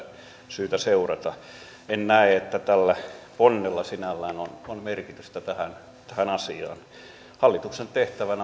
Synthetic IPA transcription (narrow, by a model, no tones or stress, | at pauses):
syːt̪æseurɑt̪ɑ | ennæeet̪ːæt̪ælːæponːelːɑsinælːæːnononmerkit̪yst̪æt̪æhæn | t̪æhænɑsiɑ̰ːn | hɑlːit̪uksent̪eht̪æʋænæ